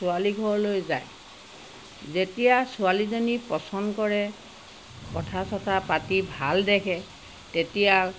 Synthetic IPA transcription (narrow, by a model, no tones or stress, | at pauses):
sualiɡʱɔɹlojza̰j | zetijasʊalizɔnipɔsɔndkɔɹɛ | kɔtʰasɔtʰapatibʱaldɛkʰɛ | tetija